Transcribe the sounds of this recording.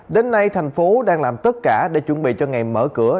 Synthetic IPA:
ɗe˨˦nːa˧jt̪ʰa˨˩jŋ̟fo˨˦ɗaː˧ŋlaː˨˩mt̪ə˦˥t̚kaː˧˩ɗe˧˩˦t͡ɕwə˧˩nɓḭ˧˨t͡ɕɔ˧ŋa˨˩jmə̰ː˧˩kɨ˧˩ə

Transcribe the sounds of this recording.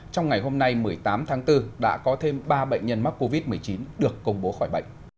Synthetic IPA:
t͡ɕɔ˧wŋ͡mŋa˨˩jɦo˧mna˧jmɨ˨˩əjt̪aː˨˦mt̪ʰaː˨˦ŋt̪ɨ˧ɗa̰ː˧˥kɔ˨˦t̪ʰe˧mɓaː˧ɓə̰˧˨jŋ̟ɲə˧nma˦˥k̚ko˧vi˦˥t̚mɨ˨˩əjt͡ɕi˨˦nɗɨ˨˩əkːə˧wŋ͡mɓo˨˦xɔ˧˩jɓə̰˧˨ŋ̟

